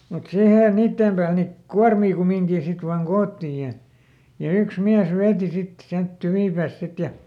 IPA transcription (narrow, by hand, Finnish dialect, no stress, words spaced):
mut siheˑ niːtːeˑm pæːl ni kuɑrmiː kumiŋkiː sit ʋɑːŋ koːtːiˑj jɑ jɑ yks miæs ʋeːti sit siælt tyʋiˑpæːst̆ sit jɑ